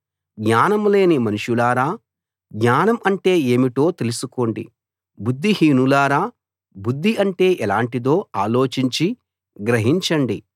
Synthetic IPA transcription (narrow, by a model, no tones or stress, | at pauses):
ɡɲaːnɐmle̞ːnimɐnuʂulaːɾaː | ɡɲaːnɐmɐɳʈe̞ːeːmiʈo̞ːt̪e̞lusuko̞ːɳɖḭ | bud̪ːihiːnulaːɾaː | bud̪ʱːiʔɐɳʈe̞ːʔɛlaːɳʈid̪o̞ːaːlo̞ːt͡ʃiɲt͡ʃi | ɡɾɐɦiɲt͡ʃɐɳɖi